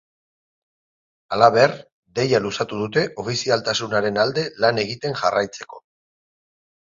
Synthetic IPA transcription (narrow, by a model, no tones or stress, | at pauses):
alaβe̞r | d̪e̞jalusat̪uð̞ut̪e̞ʔo̞fisialt̪asunaɾe̞nald̪e̞lane̞ɣit̪e̞ŋʝarajt͡se̞ko̞